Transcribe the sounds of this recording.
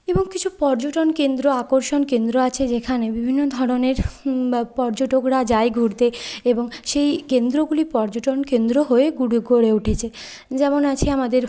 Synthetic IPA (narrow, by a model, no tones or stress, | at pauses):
eboŋkit͡ɕʰupɔɾd͡ʑoʈonkend̪ɾoakoɾʃonkend̪ɾoat͡ɕʰed͡ʑekʰanebibʱinːod̪ʱɔɾoneɾ | pɔɾd͡ʑoʈokɽad͡ʑajɡʱuɽt̪eeboŋʃejkend̪ɾoɡulipɔɾd͡ʑoʈonkend̪ɾoɦoeɡuɽuɡoɽeuʈʰet͡ɕʰe | d͡ʑɛmonat͡ɕʰeamad̪eɾ